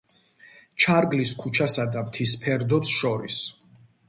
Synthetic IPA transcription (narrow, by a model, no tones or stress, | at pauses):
t͡ʃʰaɾɡliskʰut͡ʃʰasad̪amt̪ʰispʰɛɾd̪ɔsʃɔɾis